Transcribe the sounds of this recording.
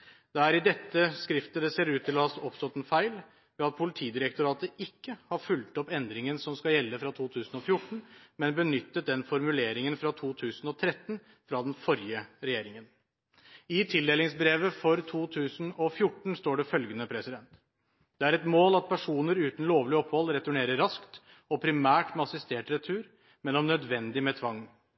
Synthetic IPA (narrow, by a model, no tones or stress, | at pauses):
d̪̥ɛæɾɪd̪ɛt̪ːəskɾɪft̪əd̪ɛseːɾʉːt̪ʰɪlɔɑsɔpst̪ɔt̪ːɛnfæɪl | ʋɛɑt̪̚pʰʊlɪt̪ʰiːd̪ɪɾəkt̪ʊɾɑːt̪əʔɪkːəhɑɾfʉlt̪ɔpɛnd̪ɾɪŋənsɔmskɑjɛlːəfɾɑt̪ʰuːt̪ʰʉːsn̩ɔfjʊʈːɳ̩mɛnbənʏt̪ːət̪̚d̪ɛnfɔɾmʉleːɾɪŋənfɾɑt̪ʰuːt̪ʰʉːsn̩ɔt̪ʰɾɛt̪ːn̩ | fɾɑd̪nfɔɾɪjəɾɛjeːɾɪŋən | ɪt̪ʰɪld̪eːlɪŋsbɾeːʋəfɔɾt̪ʰuːt̪ʰʉːsn̩ɔfjʊʈɳ̩st̪oːɖɛfœlɡənəpʰɾɛsɪd̪ɛnt̪ | d̪̥ɛæɾɛt̪moːlɑt̪̚pʰæʂuːnəɾʉːt̪n̩loːʋlɪɔphɔlɾɛt̪ʊɳeːɾəɾɑskt̪ | ɔpʰɾɪmæːʈmɛɑsɪst̪eːʈɾɛt̪ʰːʉːɾ | mɛnɔmnœd̪ʋɛnd̪ɪmɛt̪ʰʋɑŋː